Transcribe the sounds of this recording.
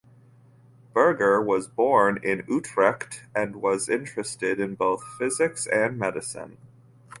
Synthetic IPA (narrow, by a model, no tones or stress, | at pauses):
b̥ɜ˞ɡə˞wʌzbɔɹnɪ̃nʉtʰɹ̥ɛktɨ̃nwʌzɪ̃nt͡ʃɹ̥ɨstɪɾɨ̃nboʊθfɪzɨksɨ̃nmɛɾɨsɨ̰̃n